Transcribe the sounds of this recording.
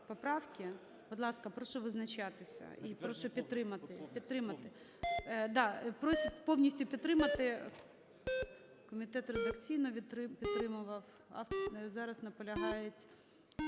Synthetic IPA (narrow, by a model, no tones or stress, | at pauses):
pɔpɾɑwkʲɪ | bʊd̪lˠɑskɐpɾɔʃɔʋɪznɐt͡ʃɑt̪ɪsʲɐ̰ipɾɔʃɔpʲid̪̚t̪ːɾɪmɐt̪ɪpʲid̪t̪ɾɪmɐt̪ɪ | d̪ɑpɾɔsʲpɔwnʲisʲtʲʊpʲid̪t̪ːɾɪmɐt̪ɪ | kɔmʲit̪ɛt̪red̪ɐkt͡sʲijnɔʋʲiɾɪpʲid̪t̪ːɾɪmʊʋɐw | ɑ̰ft̪zɑɾɐznɐpɔlʲɐɦɑjetʲ